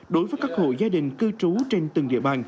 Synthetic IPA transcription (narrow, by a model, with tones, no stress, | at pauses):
ɗo˨˦jvəː˨˦jkaː˦˥k̚ho̰˧˨jzaː˧ɗï˨˩ŋ̟kɨ˧t͡ɕu˨˦t͡ɕe˧nt̪ɨ˨˩ŋɗḭ˧˨əɓaː˨˩n